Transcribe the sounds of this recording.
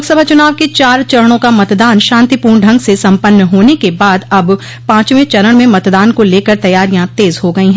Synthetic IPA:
ksəbʱat͡ʃʊnaːʋket͡ʃaːɾt͡ʃɐɾəɽ̃õkamɐt̪d̪aːnʃãːnt̪ipuːɾɳɖʱɐ̃ŋɡsesɐ̃mpənːəɦoːnekebaːd̪ɐb | pãːt͡ʃmẽt͡ʃɐɾəɽ̃mẽmɐt̪d̪aːnkoleːkəɾt̪ɐjaːɾijãt̪eːzɦoɡɐĩɦɛ̃

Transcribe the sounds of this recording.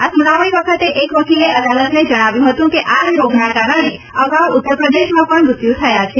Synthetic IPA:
asunaʋəiʋəkʰət̪eʔekʋəkʰileʔəd̪alət̪ned͡ʒəɽ̃aʋjũɦət̪ũkeʔajoɡʱnakaɾəɽ̃e | əɡawʊt̪ːəɾpɾəd̪eʃmãpəɳɾʊt̪jũt̪ʰəjat͡ʃʰe

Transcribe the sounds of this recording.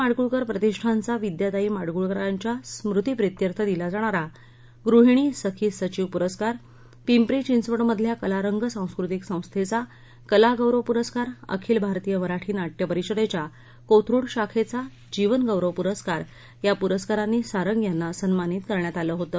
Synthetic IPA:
aɽɡuɭkəɾpɾət̪iʂʈʰant͡saʋid̪jat̪aiːmaɽɡuɭkəɾaɲt͡ɕjasmɾut̪ipɾit̪jəɾt̪ʰəd̪ilad͡zaɽ̃aɾa | ɡɾuɦiɽ̃iːsəkʰiːsət͡ɕiʋpuɾəskaɾ | pimpɾit͡ɕinsʋəɽməd̪ʱljakəlaɾəŋɡəsãw̃skɾut̪iksə̃w̃st̪ʰet͡sa | kəlaɡəwɾəʋpuɾəskaɾə̰kʰiːlbʱaɾt̪ijəʋəɾaʈʰiːnaʈjəpəɾiɕəd̪et͡ɕja | kot̪ʰɾuːɽɕakʰet͡sa | d͡ʑiʋənɡəwɾəʋpuɾəskaɾ | japuɾəskaɾanːiːsaɾəŋɡjanːasənmaniːt̪kəɾɳjat̪aləːɦot̪əː

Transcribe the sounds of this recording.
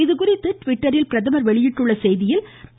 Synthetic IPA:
ɪðɯkʊrɪt̪ːɯʈʋɪʈːɐɾɪlpɪɾɐðɐmɐɾʋɛɭɪjɪʈːɯɭːɐsɛjðɪjɪl

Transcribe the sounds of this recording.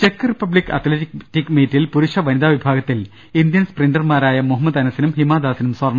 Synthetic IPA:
t͡ɕekːɨripːɐblikːɐ̰t̪ʰletiktːikːmeːtːilpuɾuʂɐʋɐnid̪aːʋibʱaːɡɐt̪ːil | ind̪jɐnsprinɖɐrmaːɾaːjɐmuɦɐmːɐd̪ɐnɐsinumhimaːd̪aːsinumsʋɐrɳɐ

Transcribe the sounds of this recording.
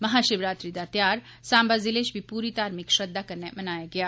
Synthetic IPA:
mɐɦaːʃɪʋɾaːt̪ɾid̪at̪jaːɾ | sãːmbazɪleːʃbʱipuːɾit̪aːɾmɪkʃɾəd̪ːakɐɾnemɐnaːjaɡɪjaː

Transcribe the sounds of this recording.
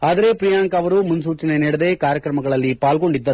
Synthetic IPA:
aːd̪ɐɾe̞pɾijaːŋkɐɐʋɐɾumunsuːt͡ʃineniːɽɐd̪e̞ːkaːɾjɐkɾɐmɐɡɐɭɐlːipaːlɡo̞ɳɖid̪ːɐɾu

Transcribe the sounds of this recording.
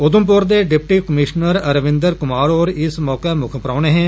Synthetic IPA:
ʊd̪ʊmp̬ʊɾd̪eːɖɪpʈiːkəmɪʃnəɾəɾəʋɪ̃nd̪əɾkʊmaːɾɔːɾɪsmɔːkeːmʊkʰəpɾaːneːɦɛ̃ː

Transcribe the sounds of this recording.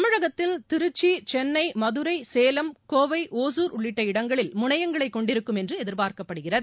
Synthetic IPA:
ɐmɪɻɐɣɐt̪ːɪlt̪ɪɾɯt͡ʃːit͡ʃɛnːɐɪmɐðɯɾɐɪseːlɐmkoːʋɐɪʔoːs̬uːɾʊɭːɪʈːɐɪɽɐŋɡɐɭɪlmʊɳɐjɐŋɡɐɭɐɪkːɔɳɖɪɾɯkːɯmɛndrɯɛðɪɾpaːɾkɐpːɐɽɯɣɪrɐðɯ

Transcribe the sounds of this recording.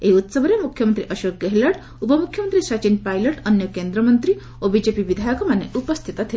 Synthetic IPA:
eɦiut̪səbʱɾemukʰjəmənt̪ɾiʔəʃok̚ɡeɦləʈ | upəmukʰjəmənt̪ɾisat͡ɕinpajlɔʈənjəkend̪ɾəmənt̪ɾi | obid͡ʑepibid̪ʱajɔkɔmanːeʔupəst̪ʰit̪at̪ʰil

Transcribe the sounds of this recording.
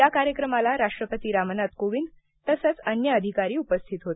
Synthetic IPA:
jakaɾjəkɾəmalaɾaʂʈɾəpət̪iːɾamənat̪koʋiːn | t̪əsət͡sənjəːd̪ʱikaɾiːupəst̪ʰit̪ɦot̪i̥

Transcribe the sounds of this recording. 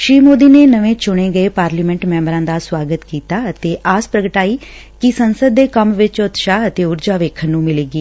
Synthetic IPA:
ʃɾiːmoːd̪iːneːnəʋẽːt͡ʃʊɽ̃ẽːɡəeːpaːɾliːmɛ̃ɳʈmɛ̃ːmbɾãːd̪aːswaːɡət̪kiːt̪aːət̪eːʔaːspɾəɡəʈaːiː | kɪsənsəd̪ːeːkəmʋɪt͡ʃʊt̪ʃaːət̪eːʊɾd͡ʒaːʋeːkʰənːũːmɪleːɡiː

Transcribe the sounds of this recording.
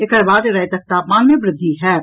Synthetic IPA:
ekɐɾbaːd̪eɾɐɦet̪ɐk̚t̪aːpmaːnmẽbɾɪd̪ʱːiɦɛː

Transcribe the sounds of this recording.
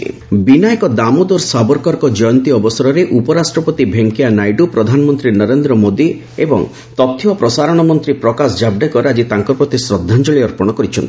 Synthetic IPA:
binajkɔd̪amod̪oɾsabɔɾkɔɾkɔd͡ʒɔjɔnt̪iɔbɔsɔɾɔɾeʔupɔɾasʈɾɔpɔt̪ibʱeŋkijanajɖupɾɔd̪ʱanɔmɔnt̪ɾinəɾend̪ɾɔmod̪i | ebɔ̰ŋ | t̪ɔt̪ʰːiɔpɾɔsaɾɔɽ̃ɔmɔnt̪ɾipɾɔkasd͡ʒabɖekɔɾad͡ʒit̪aŋkɔɾpɾɔt̪isɾɔd̪ʱːand͡ʒɔɭiɔɾpɔɽ̃ɔkɔɾit͡ʃʰɔnt̪i

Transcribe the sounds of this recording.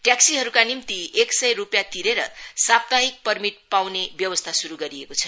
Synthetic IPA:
ʈjaksiɦʌɾukanimt̪ieksʌjrupjat̪iɾeɾʌ̰sap̚t̪aɦik̚pʌrmit̪̚pawnebjʌbʌst̪ʰasuɾuɡʌɾiekot͡sʰʌ

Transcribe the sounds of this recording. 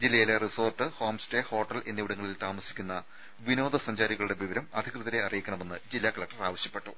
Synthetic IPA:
d͡ʑilːɐjileriso̞ːrʈːɨho̞ːmsteho̞ːʈːɐle̞nːiʋiɽɐŋːɐɭilt̪aːmɐsi̥kʲːunːɐ | ʋino̞ːd̪ʱɐsɐɲd͡ʑaːɾiɣɐɭuɽe̞ʋiʋɐɾɐmɐd̪ʱikrɨðɐɾeɐrijikʲːɐɳɐme̞nːɨd͡ʑilːaːkɐɭlɐk̚ʈːɐraːʋɐɕjɐpːe̞ʈːu

